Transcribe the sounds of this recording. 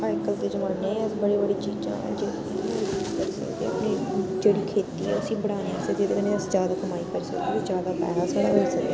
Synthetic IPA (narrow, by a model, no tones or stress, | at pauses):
pːŋkəlt̪eːd͡ʒəməɽnẽːsbəɽeːbəɽiːt͡ʃiːd͡ʒã̰ːd͡ʒeːt̪iːd͡ʒiːd͡ʒkəɾsə̰kd̪ḛːə̰pnĩːd͡ʒeːɽiːkʰeːt̪iːɦɛ̰ːʊsĩːbəɽaːneãːsed͡ʒeːd̪eːkəneːəsd͡ʒjaːd̪aːkəmaːikəɾsəkd̪iːod͡ʒjaːd̪aːpɛ̰ːɾaːsaːɽãːɦoisək̚d̪eː